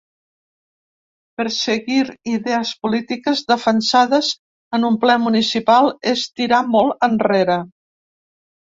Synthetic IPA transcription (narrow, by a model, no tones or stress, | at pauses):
pəɾsəɣiɾiðɛəspulit̪ikəzðəfənsaðəz | ənumplɛmunisipalˠest̪iɾamɔlˠənreɾə